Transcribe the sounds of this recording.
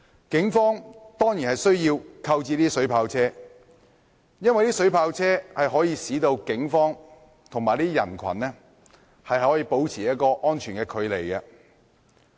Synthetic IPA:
kɪ˨˥ŋfɔː˥ŋt̪ɔː˥ŋjiː˨˩nhɐ˨˩jsɵ˥ɥjiː˧wkʰɐ˧wt͡siː˧t̪iː˥sɵ˨˥ɥpʰaː˧wt͡sʰɛː˥ | jɐ˥nwɐ˨jt̪iː˥sɵ˨˥ɥpʰaː˧wt͡sʰɛː˥hɐ˨jɦɔː˨˥jiː˧siː˨˥t̪o˧wkɪ˨˥ŋfɔː˥ŋ | t̪ʰʊ˨˩ŋmaː˨˩t̪iː˥jɐ˨˩nkʰɐ̰˨˩nɛ˥ | hɐ˨jhɔː˨˥jiː˧po˨˥wt͡sʰiː˨˩jɐ˥t̚kɔː˧ʔɔː˥nt͡ʃʰyː˨˩nkɛː˧kʰɵ˨˧ɥle˨jkɐ˧

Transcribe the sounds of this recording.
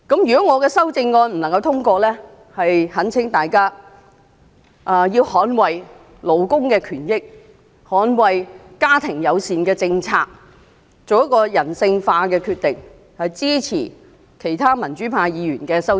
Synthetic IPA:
kɐ˨˥mjyː˨˩kɔ˨˦˥ŋɔː˨˧kɛː˧sɐ˥wt͡sɪ˧ŋːɔː˧nm̩˨˩nɐ˨˩ŋkɐ˧wt̪ʰʊ˥ŋkʷɔː˧lɛː˥ | hɐ˨jhɐ˨˥nt͡sʰɪ˨˥ŋt̪aː˨jkaː˥ | ʔɐ˨˧jiː˧whɔː˨˥nwɐ˨j | lo˨˧wkʊ˥ŋkɛː˧kʰyː˨˩njɪ˥k̚ | hɔː˨˥nwɐ˨jkaː˥t̪ʰɪ˨˩ŋjɐ˨˧wsiː˨nkɛː˧t͡sɪ˧ŋt͡sʰaː˧k̚ | t͡so˨wjɐ˥kːɔː˧jɐ˨˩nsɪ˧ŋfaː˧kɛː˧kʰyː˧t̪̚ɪ˨ŋ | hɐ˨jt͡siː˥t͡sʰḭː˨˩ | kʰe˨˩jt̪ʰaː˥mɐ˨˩nt͡ʃyː˨˥pʰaː˧jjiː˨˧jyː˨˩nkɛː˧sɐ˥w

